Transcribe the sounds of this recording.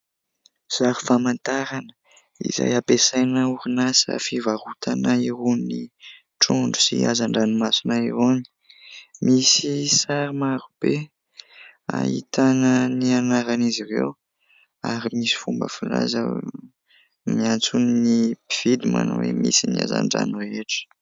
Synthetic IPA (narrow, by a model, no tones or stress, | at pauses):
z̥aɾufamant̪aɾanə̥ | ḭza̰japesajnauɾunasə̰fivaɾut̪ʰanaiɾuni | ʈ͡ʂuɳɖ͡ʐu̥siazaɳɖ͡ʐanimasunaiɾoni̥ | misisaɾimaɾub̥e | a̰hit̪ʰanənianaɾanizirew | aɾimisi̥fumbə̰fila̰zə | miant͡sunnipiv̥id̪ima̰na̰wemḭsinia̰za̰ɳɖ͡ʐa̰nureeʈ͡ʂə̥